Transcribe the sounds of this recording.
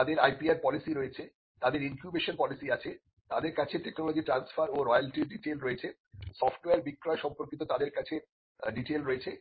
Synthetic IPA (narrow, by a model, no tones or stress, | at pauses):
ad̪eɾajpiaɾpɔlisiɾoet͡ɕʰe | t̪ad̪eɾinkjubeʃonpɔlisiat͡ɕʰe | t̪ad̪eɾkat͡ɕʰeʈeknɔlod͡ʑiʈɾansfʰaɾoɾɔjalʈiɖiʈelɾoet͡ɕʰe | sɔfʈweaɾbikːɾɔeʃɔmpoɾkit̪ot̪ad̪eɾkat͡ɕʰe | ɖiʈelɾoet͡ɕʰe